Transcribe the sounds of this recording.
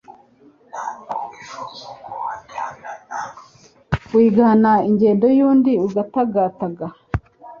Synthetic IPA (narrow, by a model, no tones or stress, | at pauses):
wiːɡanaiɲɟe̞ːndo̞juːndiuɡataɡaːtaɡa